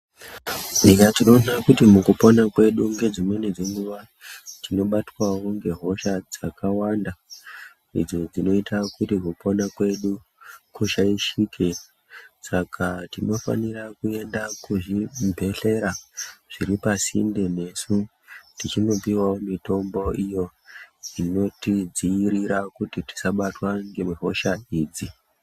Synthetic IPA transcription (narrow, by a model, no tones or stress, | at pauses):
niɲatinonakutimukuponakwe̞ɗuŋɡe̞d͡zimwened͡zeŋɡuʋa | tʰino̞ɓatwawoŋɡe̞ɦo̞ʃad͡zakawanda | ḭd͡zo̞d͡zino̞itʰakutikuponakwe̞ɗu | kuʃaiʃikʰe | sakʰatino̞fa̰nirakue̞ndakuʐibʱe̞ɬe̞ɾaʐ̥iɾipasḭndene̞su | tit͡ʃino̞piwaomito̞mbo̞ijoino̞tid͡zijiɾiɾakutiti̥saɓatwaŋɡemeɦo̞ʃaiːd͡zi